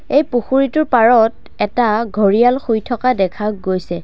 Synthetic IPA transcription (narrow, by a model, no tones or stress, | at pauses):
ejpuxuɹitʊɹpaɹɔt | ɛtaɡʱoɹijalxujtʰɔkadɛkʰaɡojsɛ